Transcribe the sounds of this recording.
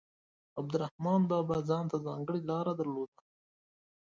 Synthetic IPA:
ab̚d̪ʊɾahmɑnd̪ɑːbazɑːnt̪azɑːŋɡəɽilɑːɾad̪aɾloːd̪a

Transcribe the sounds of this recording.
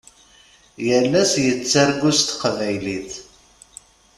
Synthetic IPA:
jəlːæsjət͡sːaɾɡust̪qvæjliθ

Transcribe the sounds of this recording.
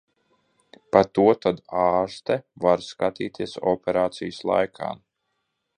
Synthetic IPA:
pat̪uɔt̪ad̪aːɾst̪ɛvaɾskat̪iːt̪iɛsɔpʲɛɾaːt̪sijslˠa̰jkʰa̰ːm

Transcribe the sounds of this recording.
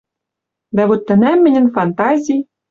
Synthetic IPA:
d̪ævot̪ːɘ̆næmːɘ̆nʲɘ̆nfɑnt̪ɑzʲij

